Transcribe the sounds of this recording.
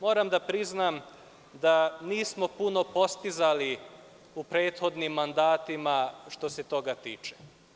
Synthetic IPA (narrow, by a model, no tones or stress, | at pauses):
mo̞ːɾamd̪apɾiznam | d̪aniːsmo̞puno̞po̞st̪izali | upɾeːt̪xo̞d̪nimːand̪aːt̪imaʃt̪o̞set̪o̞ɡat̪iːt͡ʃe̥